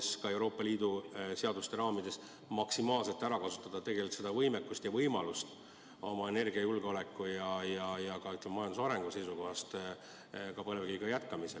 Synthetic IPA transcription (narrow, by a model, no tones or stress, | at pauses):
skɑe̞wɾo̞ːpˑːɑliːd̪̥useɑd̪ust̪e̞ɾɑːmid̪̥e̞s | mɑksimɑːlse̞lt̪ːˑæɾɑkɑsu̥t̪ːˑɑd̪̥ɑt̪e̞ɡ̥e̞lʲit̪se̞d̪ɑvɤjmekːust̪jɑvɤjmɑlust̪ | o̞mɑe̞ne̞rɡ̥iɑjulɡeo̞le̞kːˑujɑjɑjɑkɑyht̪lememɑjɑnd̪usɑɾe̞ŋɡ̥use̞jsuko̞ɦɑst̪ | kɑpɤlveɡijɡ̥ɑjæt̪kɑmise